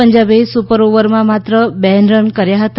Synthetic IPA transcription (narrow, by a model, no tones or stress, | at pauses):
əɲd͡ʒabesupəɾoʋəɾmãmat̪ɾəbɛɦnɾənkəɾjaɦət̪